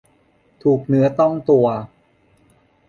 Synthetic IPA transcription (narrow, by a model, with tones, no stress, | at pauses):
t̪ʰuː˨˩k̚nɯ˦˥ɐt̪ɔ˥˩ŋt̪u˧ɐ